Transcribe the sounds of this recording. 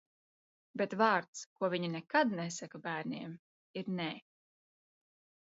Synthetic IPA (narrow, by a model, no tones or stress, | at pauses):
bet̪vaːɾt̪skuɔviɲinɛkad̪nɛsakabæːɾnʲiɛm | iɾnɛ